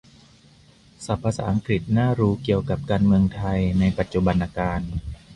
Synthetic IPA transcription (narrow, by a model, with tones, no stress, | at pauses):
sa˨˩˦pʰːaː˧sa̰˩ʔa˧ŋkɾi˨˩t̪̚naː˥˩ɾuː˦˥ki˨˩əwka˨˩p̚kaː˧nmɯ˧əŋt̪ʰa˧jna˧jpa˨˩t̪̚t͡ɕu˨ba˧nʔaː˧kaː˧n